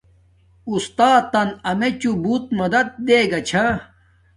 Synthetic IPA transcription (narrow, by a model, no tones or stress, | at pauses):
ust̪aːt̪ːɐnɐmet͡ɕubuːt̪̚mɐd̪ɐd̪̚d̪eːɡɐt͡ɕʰa